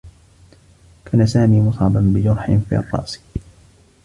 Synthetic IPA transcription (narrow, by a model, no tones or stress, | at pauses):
kʰaːnasaːmiːmʊsˤɑbanbɪd͡ʒʊɾˤħɪnfḭːɑ̰rˤːɑ̰ʔs